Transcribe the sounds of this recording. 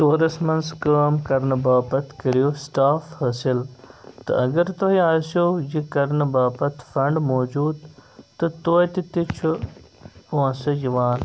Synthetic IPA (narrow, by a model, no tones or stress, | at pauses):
ʈoːɾɐsmɐnskəːmkɐɾnɨbaːpɐt̪ʰkɐɾijosʈaːfhɐsilt̪ɐ̰ɐɡɐɾt̪oɦiaːsoːd͡ʒikɐɾnɨbaːpɐt̪ʰfɐɳɖmoːd͡ʒuːd̪t̪ɐt̪oːjt̪it̪it͡ʃʰu | õːsɐd͡ʒiʋaːn